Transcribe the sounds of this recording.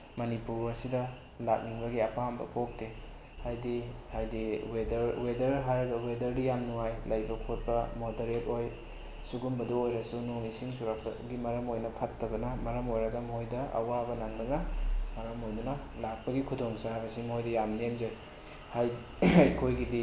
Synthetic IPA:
mɐnipuɾɐsidɐ | lak̚niŋbɐɡiɐpambɐ̰pok̚de | hajdihajdiwedwedɐɾɦaɾɐɡɐwedɐɾdijamnuajlɐjbɐkʰot̚bɐmodɐɾet̚oj | suɡumbɐduojɾɐsunoŋisiŋsuɾak̚ɡimɐɾɐmojnɐpʰɐtːɐbɐnɐmɐɾɐmojɾɐɡɐmhojdɐʔɐ̰wabɐnaŋbɐnɐmɐɾɐmojdunɐ | lak̚pɐɡikʰudoŋsabɐsimhojdɐjamnemzaj | haj | ajkʰojɡidi

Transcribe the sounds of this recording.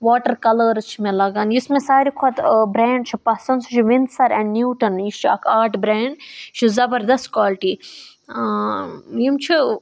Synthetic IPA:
ʋaːʈəɾkɐləɾt͡ʃʰimẽlɐɡaːnjismẽsaːɾikʰɐt̪bɾeːɳɖt͡ʃʰipɐsɐnsut͡ʃʰiʋind̪sɐɾɛ̃ɳɖnuːʈɐnjist͡ʃʰiɐ̰kʰaːʈbɾeːɳɖt͡ʃʰizɐbɐɾd̪ɐst̚kwaːlʈiː | jimt͡ʃʰi

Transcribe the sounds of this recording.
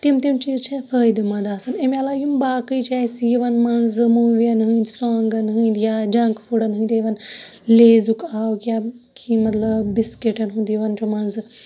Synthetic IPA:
t̪imt̪imt͡ʃiːzt͡ʃʰefʰəːjd̪mɐd̪aːsɐnemɐlaːjumbaːkɨjt͡ʃʰɛsjiʋɐnmɐnzmuːʋjɐnɦɨ̃nd̪saːŋɡɐnɦɨind̪jad͡ʒɐ̃ŋkfʰuɽɐnɦɨ̃nd̪ejʋɐnleːzukaːwkja | kʰimɐt̪lɐbiskeʈɐnɦũnd̪jiʋɐnt͡ʃumɐnz

